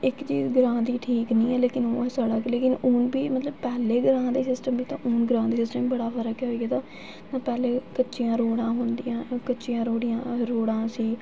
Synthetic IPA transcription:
ɪkt͡ʃiːzɡɾãːd̪iːʈʰiːknĩːɛːleːkɪnoːɛːsaːɽaːkleːkɪnʊːnbiːmət̪ləbpɛːleːɡɾãːd̪eːsɪsʈəmbiːt̪ã̰ːʔʊːnɡɾãːd̪eːsɪsʈəmbəɽaːfəɾəkɛːɦoiːɡeːt̪ãː | t̪ãːpɛːleːkətːʃijãːɾoːɽãːɦʊ̃nd̪iːãːkətːʃijãːɾoːɽɪjãːɾoːɽãːsiː

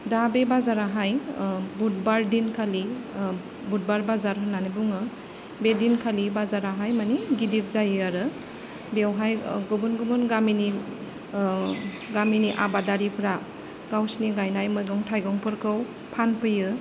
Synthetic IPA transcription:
dabebazaɾaɦajbut̚baɾdinkʰali | but̚baɾbazaɾɦɯnːanibuŋɯ | bedinkʰalibazaɾaɦajmaniɡidip̚zajɯaɾɯ | bewɦajɡɔbunɡumɯnɡamini | ɡaminiʔa̰badaɾipʰɾa | ɡ̥awsniɡajnajmɯjɡɔŋtʰajɡɔŋpʰɯɾkʰɯw | pʰanpʰɯjɯ

